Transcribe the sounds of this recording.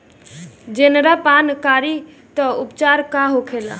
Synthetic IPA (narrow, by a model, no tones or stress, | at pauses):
d͡ʒenɾapankaɾi | t̪əupt͡ʃaɾkaɦokʰela̰